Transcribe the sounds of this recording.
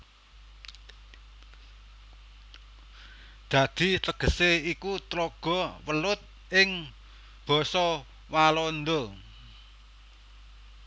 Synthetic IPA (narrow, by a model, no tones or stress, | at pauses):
d̪̥ä̤d̪̥i̤t̪əɡ̥ə̤seikut̪ɾoɡ̥ɔ̤wəlʊt̪̚ | ʔɪŋ | b̥ɔ̤sɔ | walɔnd̪ɔ